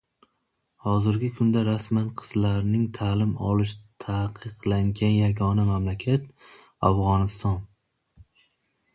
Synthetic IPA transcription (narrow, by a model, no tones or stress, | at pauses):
hɒzɪɾɡʲɪkʰʊnd̪aɾasmanqʰɨ̥zlaɾnɪŋt̪ʰaːlɪmɒ̰lˠɪʃt̪ʰaqʰɨqlaŋɡʲanjaɡʲɒnamamlakʲʰat̪̚ | afʁɒnɪst̪ɒn